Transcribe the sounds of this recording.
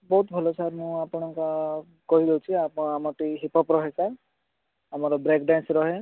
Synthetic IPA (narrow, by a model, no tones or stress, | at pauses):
bɔɦut̪bʱɔlɔsaɾmũapɔɽ̃ɔŋka | kɔɦid̪ewt͡ʃʰiaamɔʈiɦipɔpɾɔɦeka | amɔɾɔbɾekɖansɾɔɦe